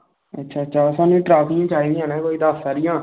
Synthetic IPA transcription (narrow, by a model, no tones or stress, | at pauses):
ətːʃʰaːətːʃʰaːsaːnũːiʈɾaːpɪãːt͡ʃaːiːd̪ɪjãːnɛ̃ːkoːiːd̪aːsaːɾɪjãː